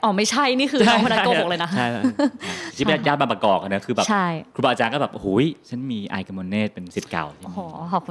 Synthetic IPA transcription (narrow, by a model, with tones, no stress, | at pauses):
ʔɔː˧˩ma˥˩jt͡ɕʰa˥˩jniː˥˩kʰɯː˧˥˧kʰo˧na˦˥˧ko˨˩klɤː˧jna˦˥kʰa˥˩jʰ | iː˥˩˧jaː˥˩ma˧pɾa˧kɔː˨˩k̚ʔa˧nɯ˦˥kʰɯː˧bɛː˨˩t͡ɕʰa˥˩jkʰɾu˧ba˧a˧t͡ɕaː˧nkɔː˥˩bɛː˨˩ʔo˧huː˩˦˥jt͡ɕʰa˦˥nmiː˧ʔa̰ː˧jka˧mo˧nːeː˥˩t̪̚pe˧nsi˨˩t̪̚ka̰˨˩w̪ʰi˦˧ɔ˨˩hɔː˨˦ɔː˨˩p̚ku˧